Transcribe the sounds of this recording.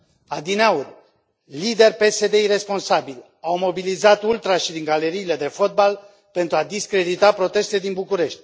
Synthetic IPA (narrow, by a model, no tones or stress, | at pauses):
ad̪ineaur | lid̪e̞rʲpe̞se̞d̪e̞iɾe̞spo̞nsabilʲ | awmo̞bilizat̪ult̪ɾaʃid̪iŋɡale̞ɾiːle̞d̪e̞fo̞t̪̚bal | pe̞nt̪ɾuad̪iskɾe̞d̪it̪apɾo̞t̪e̞st̪ed̪inbukuɾe̞ʃt̪ʲ